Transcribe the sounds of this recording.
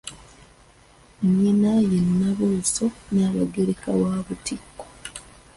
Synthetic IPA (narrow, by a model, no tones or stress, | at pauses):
ɲːinajenːaβosonaːloɡeɾekawaːβutikːo